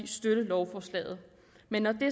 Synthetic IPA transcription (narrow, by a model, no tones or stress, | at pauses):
iːsd̥øɾ̥əlɒʊfɒːslɛ̰ːð̩ˠ | menːɒd̥e̝